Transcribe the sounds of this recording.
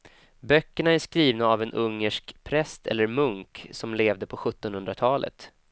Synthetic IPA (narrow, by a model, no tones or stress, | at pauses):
bœkːəɳaæʂkɾiːvnaːvɛnʔɵŋːəʂkpʰɾɛst̪ʰɛ̰lːəɾmɵŋksɔmleːvd̪əpʰɔɧɵt̪ːɔnhɵnd̪ɾat̪ʰɑːlʔə̰t̪